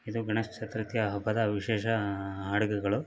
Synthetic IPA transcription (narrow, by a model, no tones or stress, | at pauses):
id̪uɡɐɳɐst͡ʃɐt̪ɾɐt̪jɐɦɐbʱɐd̪ɐʋiʃeːʃɐɦaːɽɐɡuɡɐɭu